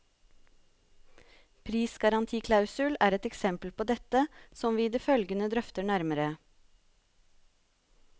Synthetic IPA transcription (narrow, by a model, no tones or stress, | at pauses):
pʰɾiːsɡɑɾɑnt̪ʰiːkʰlɑʉsʉlæːɾɛt̪ɛksɛmpəlpʰoːd̪ɛt̪əsɔmʋiːd̪iːfœlɡənəd̪ɾœft̪əɳæɾməɾə